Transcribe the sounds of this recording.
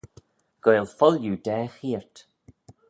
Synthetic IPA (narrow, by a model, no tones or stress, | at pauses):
ɡ̥ɔjlˠfɔljudɛːxiːɹt